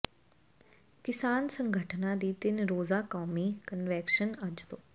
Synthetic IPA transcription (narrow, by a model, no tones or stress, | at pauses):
kɪsaːnsə̃ŋɡʱəʈʰnaːd̪iːt̪ɪnɾoːzaːkɔːmiːkənʋɛːkʃənəd͡ʒt̪õː